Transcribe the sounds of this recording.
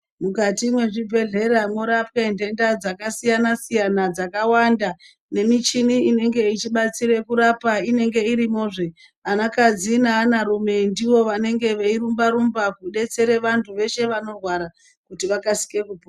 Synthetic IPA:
mukatimwe̞ʐibʱe̞ɮe̞ɾamoɾapkende̞ndad͡zakasijanasijanad͡zakawanda | ne̞mit͡ʃiniine̞ŋɡe̞it͡ʃiɓat͡siɾe̞kuɾapaine̞ŋɡe̞iɾimo̞ːʐe̞ | anakad͡zinaːnaɾume̞ndiwo̞ʋane̞ŋɡe̞ʋe̞iɾumbaɾumbakuɗe̞t͡se̞ɾe̞ʋantʰuʋe̞ʃe̞ʋano̞rwaɾa | kutiʋakasi̥ke̞kupu

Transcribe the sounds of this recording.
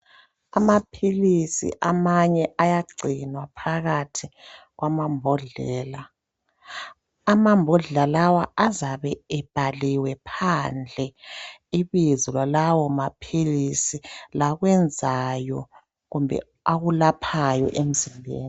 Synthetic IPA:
amapʰilisḭʔamaɲɛʔajaɡ͡ǀʱinwapʰaɣatʰiɣwamambʱɔɮɛːla | mambʱɔɮɛlalawaʔazaβɛɛb̥ʱaliwɛpʰand͡ɮʱɛiβizɔlwalawɔmapʰilisilaɣwɛnd͡zʱajɔ | ɣumbʱɛ̰ | aɣulapʰajɔ̰ʔem̩zimbʱḛːni

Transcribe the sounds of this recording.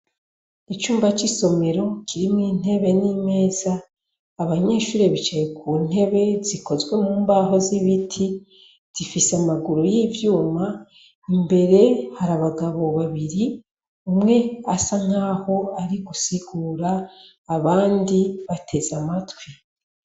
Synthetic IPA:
it͡ʃuːmbat͡ʃiso̞me̞ɾo̞kʰiɾimŋiːn̥e̞βe̞nime̞ːzaː | βaɲe̞ːʃuːɾe̞βit͡ʃajekuːn̥e̞βe̞ziko̞zwe̞muːmbaːɦo̞ziβitʰi | z̥ifiseamaɡuɾojivjuːma | imbe̞ɾe̞haɾaβaɡaβo̞βaβiɾi | umŋe̞asaŋ̥aːho̞aɾiɡusiɡuːɾaː | βaːndiβatʰe̞zamatwi

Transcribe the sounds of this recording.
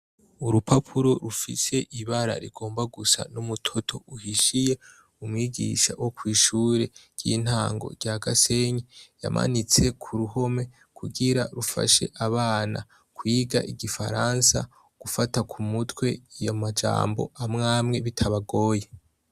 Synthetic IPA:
uɾupʰapʰuɾoɾufḭse̞ʔiβaɾa̰ɾḭɡ̥o̞ːmbaɡusa̰numutʰo̞tʰo̞̰uhiʃije̞ | umŋiːɡḭʃa̰wʔo̞kwiːʃuːɾe̞ɟ̥jḭn̥haːŋɡo̞̰ɟjaɡase̞ɲeja̰mʔa̰nit͡se̞kʰuɾuho̞me̞ | kʰuɡiɾaɾufa̰ʃe̞̰ʔaβaːna̰ | kwiːɡa̰ʔiɡifa̰ɾaːnsa̰ | ɡ̥ufatakʰumutwe̞jamad͡ʒa̰ːmbo̞̰amŋaːmŋe̞βitʰaβaɡo̞ːje

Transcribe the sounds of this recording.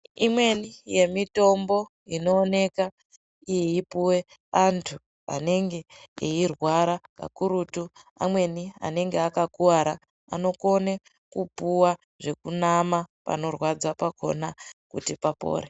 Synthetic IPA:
imwe̞nije̞mito̞mbo̞ | ino̞ːne̞ka | ijeipuwe̞ | antʰu | a̰ne̞ŋɡe̞ːirwaɾaka̰kuɾutu | a̰mwe̞nia̰ne̞ŋɡeakakuwaɾa | a̰no̞ko̞ne | kupuwa | ʐe̞kunamapa̰no̞rwad͡zapakʰo̞̰nakutipapo̰ːɾe

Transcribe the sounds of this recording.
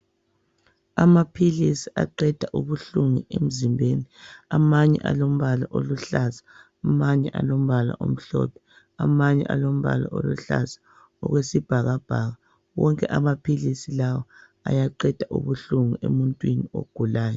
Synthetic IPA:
amapʰilisiaǃɛd̥ʱaʔuβuɬuŋuem̩zimbʱeːniamaɲɛ̰ʔalom̩βalaʔoluɬazḁː | maɲɛʔalom̩βala̰ʔom̩ɬɔ̰pʰɛ̥ | amaɲɛ̰ʔalom̩βa̰la̰ʔoluɬa̰zḁ | ɔ̰ɣwesib̥ʱaɣab̥ʱaɣa | wɔŋkʼɛʔamapʰilisilawɔ | ajaǃɛd̥ʱaʔṵβuɬuŋuʔemuntʼwinio̰ɡ̥ʱulaːjɔ

